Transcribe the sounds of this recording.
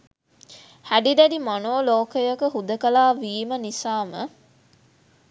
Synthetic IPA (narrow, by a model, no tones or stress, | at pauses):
hæɖid̪ædimanoːloːkəjɐkəɦud̪əkɐlaːʋiːmənisaːmə